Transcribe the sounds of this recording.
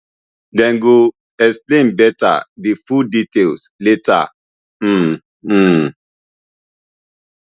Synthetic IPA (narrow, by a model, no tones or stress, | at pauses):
dɛ̃nɡo | ɛksplẽnbɛta̰difuditelsleta̰